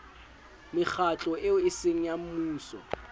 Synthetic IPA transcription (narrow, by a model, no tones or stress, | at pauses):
mɪk͡xʰat͡ɬʼɔɪʊɪseŋ̩jam̩muːsɔ̰